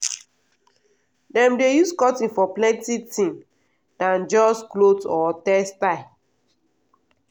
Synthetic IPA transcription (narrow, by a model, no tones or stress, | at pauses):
dɛ̃mdejuskɔtĩŋfɔplɛ̃ntitĩŋ | dãnd͡ʒɔsklotɔtɛstaɪ